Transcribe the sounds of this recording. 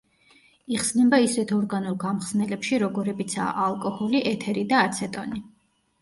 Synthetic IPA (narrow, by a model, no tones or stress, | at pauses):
iχsnɛmbaisɛt̪ʰɔɾɡanulˠɡamχsnɛlɛpʃiɾɔɡɔɾɛbit̪sʰa̰ːʔalˠkʼɔhɔliʔɛt̪ʰɛɾid̪aːt̪sʰɛt̪ʼɔni